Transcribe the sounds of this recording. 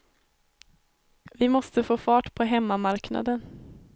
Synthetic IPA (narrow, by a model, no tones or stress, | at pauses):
vɪmɔst̪əfoːfɑːʈpʰɔɦɛmːamaɾkna̰d̪ən